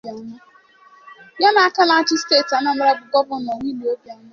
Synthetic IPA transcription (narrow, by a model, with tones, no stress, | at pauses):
ɲe˦ | ja˦na˨a˦ka˦la˦t͡ʃɪ˦steː˦˨ta˦na˨˦m̩˦ɾa˦bʊ˨ɡɔ˦bʊ˨˦nɔ˨ŋi˦li˨˦o˦bja˦na˦